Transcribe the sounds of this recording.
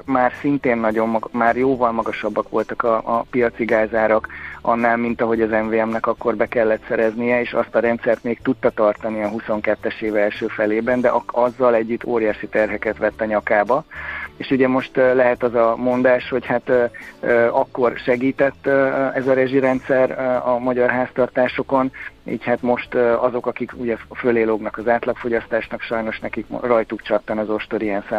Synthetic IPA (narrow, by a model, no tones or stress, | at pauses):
maːrsint̪eːnːɒɟo̞mːmaːrjoːvɒlmɒɡɒʃɒbːɒkʋo̞lt̪ɒkɒːpijɒt̪siɡaːzaːɾɒkʔɒ̰nːaːlmint̪ɒɦo̞ɟɒzɛɱveːɛmnɛkɒkːo̞rbɛkɛlːɛt̪sɛɾɛznijɛeːʃɒ̰st̪ɒɾɛnt̪sɛrt̪meːkt̪ut̪ːɒt̪ɒrt̪ɒniɒɦuso̞ŋkɛt̪ːɛʃeːvɛlʃøːfɛleːbɛnd̪ɛʔɒɒzːɒlɛɟːyt̪ʰːoːɾjaːʃit̪ɛrɦɛkɛt̪ʋɛt̪ːɒɲɒkaːbɒeːʃuɟɛmo̞ʃt̪lɛɦɛt̪ɒzɒmo̞nd̪aːʃho̞chat̪ː | ɒkːo̞rʃɛɡiːt̪ɛt̪ːɛzɒɾɛʒiɾɛnt̪sɛɾɒmɒɟɒrɦaːst̪ɒrt̪aːʃo̞ko̞nḭːchat̪mo̞ʃt̪ɒzo̞kɒkikuɟɛføleːloɡnɒkɒzaːt̪lɒkfo̞ɟɒst̪aːʃnɒkʃɒjno̞ʃnɛkikrɒjt̪ukt͡ʃɒt̪ːɒnɒzo̞ʃt̪oɾiɛnsɛ